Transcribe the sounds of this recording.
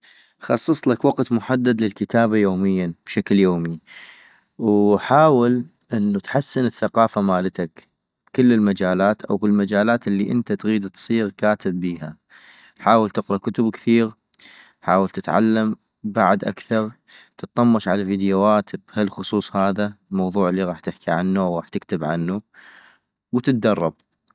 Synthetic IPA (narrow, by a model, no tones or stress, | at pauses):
xɑsˤːɑsˤlakwɑqt̪mʊħad̪ːad̪lɪlkɪt̪aːbajoːmɪjːab̥ʃakljoːmi | wħaːwɪl | ʔɪnːut̪ħasːɪnəθːaqɑːfamaːlat̪ak | b̥kɪlːɪlmad͡ʒaːlaːt̪ʔawbɪlmad͡ʒaːlaːt̪əlːiʔɪnt̪at̪ɣiːd̪t̪sˤiːɣkaːt̪ɪbːiːha | ħaːwəlt̪ɪqɾɑkʊt̪ʊbkθiːɣ | ħaːwəlt̪ɪt̪ʕa̰lːam | baʕd̪ʔa̰kθɑɾˤ | t̪ɨt̪ˤːɑmːɑʃʕalaviːd̪jawaːt̪b̥halxʊsˤuːsˤhaːðalmɑwðˤuːʕliɣɑːħt̪ɪħkiʕanːuawɣɑːħt̪ɪkt̪ɪbʕa̰nːu | wt̪ɪt̪̚d̪ɑrˤːɑb̚